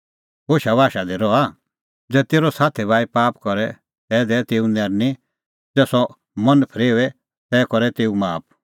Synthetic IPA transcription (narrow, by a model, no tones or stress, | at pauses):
ɦoːʃabaːʃad̪iɾɔa | d͡zɛːt̪eːɾɔsaːt̪ʰibʱaːipaːpkɔɾɛ | t̪ɛːd̪ɛt̪eːũnɛːɾni | d͡zɛːsɔ | mɐ̃npʰəɾeːʋɛ | t̪ɛːkɔɾɛt̪eːũmaːp̚ʰ